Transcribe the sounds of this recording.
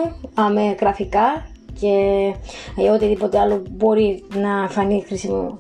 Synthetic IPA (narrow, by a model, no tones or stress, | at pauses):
ɐmeɣɾɐfikɐ | ce̞ | ot̪iðipo̞t̪eɐlobo̞ɾinɐeɱfɐnixɾisimo̰